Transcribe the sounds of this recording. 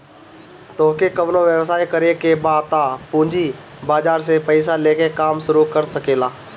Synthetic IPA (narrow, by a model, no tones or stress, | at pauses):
t̪oːkekəʋnõʋjəʋsaːikəɾekebaːt̪apũːɲd͡ʒi | baːd͡ʒaːɾsepəɪsaleːkekaːmʃʊɾukəɾsəkeːlaː